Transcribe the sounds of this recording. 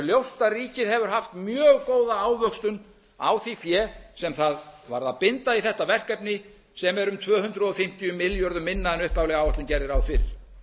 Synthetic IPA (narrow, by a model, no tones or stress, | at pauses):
ljowst̪ariːcɪðhɛvʏɾ̥ɦaft̪mjœːɣkoːwðaaːwvœkst̪ʏn | a̰wθifjɛsɛmθaðvaɾðaðpɪnt̪aiθɛht̪avɛr̥kɛpnɪ | sɛmɛɾʏmt̪ʰvœːhʏnt̪ɾʏɔfɪm̥t̪ijʏmɪljɔɾðʏmːɪnːaɛnʏhpawlɛɣaːwaht̪lʏmcɛɾðɪɾawfɪɾɪ̰ɾ̥